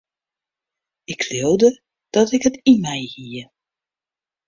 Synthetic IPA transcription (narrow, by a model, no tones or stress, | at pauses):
ɪkʰlowdə | d̥ɔtɪkɦətimɛjhiə